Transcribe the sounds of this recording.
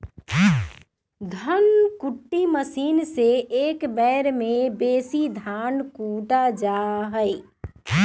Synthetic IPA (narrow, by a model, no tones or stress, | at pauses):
d̪ʱənkʊʈːiməsiːnseeːkbɛːɾmẽbeːsid̪ʱaːnkuːʈad͡ʒaɦəɪ